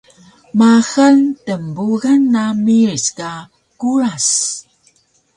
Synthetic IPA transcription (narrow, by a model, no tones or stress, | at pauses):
maxəntəmbuɣənːamiɹska | kuɾas